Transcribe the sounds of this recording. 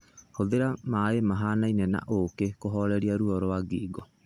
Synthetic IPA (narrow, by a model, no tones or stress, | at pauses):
hoðeɾamaemaɦanainɛna̰ʔokekoɦɔɾɛɾiaɾuɔɾɔwaɡiːɡɔ